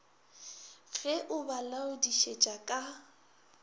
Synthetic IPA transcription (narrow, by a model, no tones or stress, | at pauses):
fɛʔʊbalaʊdiʃet͡ʃʼakʼa